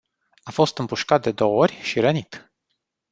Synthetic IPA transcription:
afo̞st̪ɨmpuʃkat̪̚d̪e̞d̪o̞wəo̞rʲʃiɾənit̪

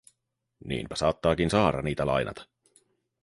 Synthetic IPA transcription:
nḭːmpæ̥sɑːt̪ːɑːkinsɑːɾɑniːt̪ælɑ̰jnʔɑ̰t̪ɑ̥

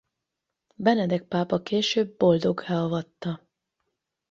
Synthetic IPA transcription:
bɛnɛd̪ɛk̚paːpɒkeːʃøːbːo̞ld̪o̞ɡhɛɒvɒt̪ːɒ

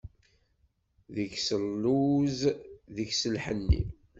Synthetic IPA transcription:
ðəçsəlːuzðəçsəlħənːḭm

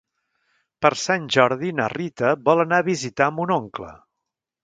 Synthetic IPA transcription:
pəɾsanʲʒɔɾðinərit̪əβɔlˠənaβizit̪aəmbunoŋklə̰

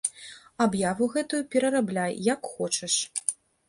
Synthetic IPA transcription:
abjavuɣɛt̪ujupʲɛɾɐɾablʲajjakxɔt͡ʂɐʂ

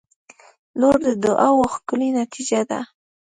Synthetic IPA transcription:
loɾd̪əd̪ʊʔawoxkʊlinat̪ʰid͡ʒad̪a̰

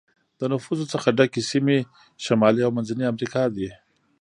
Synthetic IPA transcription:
d̪̥ənʊfuzot͡səxaɖakisime | ʃamɑliawmanzaniamɾikɑd̪i

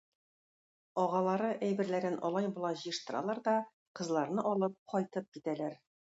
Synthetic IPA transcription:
ɒʁɑlˠɑɾɤʔæjbɘ̆ɾlæɾɘnʔɒ̰lˠɑjbŭlˠɑʑɤjɤ̆ʃt̪ɤ̆ɾɑ̰lˠɑɾd̪ɒ | qɤ̆zlˠɑɾnɤʔɒlˠɤp̚qʰɒjt̪ɤp̚kit̪ælæɾ

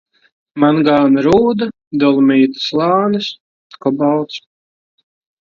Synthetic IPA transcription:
manɡaːnaɾuːd̪a | d̪ɔlˠumiːt̪ɨ̥slˠaːnɨs | kɔbawt̪s

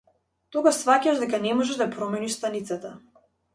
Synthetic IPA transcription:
t̪ɔɡaʃsvacaʒd̪ɛkanɛmɔʒɛd̪apɾɔmɛniʃst̪anit̪sat̪a

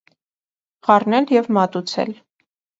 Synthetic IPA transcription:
ʁɑrnɛljɛvmɑt̪ut͡sʰɛ̰l

